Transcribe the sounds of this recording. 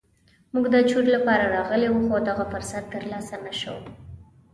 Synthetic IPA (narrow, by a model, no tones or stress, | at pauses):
muɡd̪ət͡ʃuɾlapɑɾaɾɑɣəlewuxod̪aɣafʊɾsat̪ːəɾlɑsanaʃə̰w